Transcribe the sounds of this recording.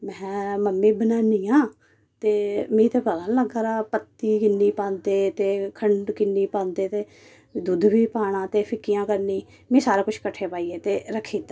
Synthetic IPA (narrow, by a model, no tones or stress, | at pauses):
mɛ̃ːməmːĩːbənaːnijãː | t̪eːmĩːt̪eːpələːnləɡaːɾaːpət̪ːiːkɪnːiːpãːnd̪eːt̪eːkʰəɳɖkɪnːiːpãːnd̪eːt̪eː | d̪ud̪biːpaːɳ̃ãːt̪eːpʰɪkːɪjãːkəɾniː | mĩːsaːɾaːkʊt͡ʃʰkəʈʰeːpaːiːeːt̪eːɾəkʰːiːd̪aː